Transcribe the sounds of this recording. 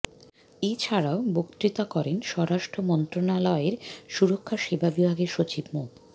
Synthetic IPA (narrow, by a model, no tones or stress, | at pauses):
et͡ɕʰaɽaobokt̪ɾit̪akɔɾenʃɔɾaʃʈʰɾomɔnt̪ɾonalɔeɾʃuɾokʰːaʃebʱabibʱaɡeɾʃot͡ɕibmo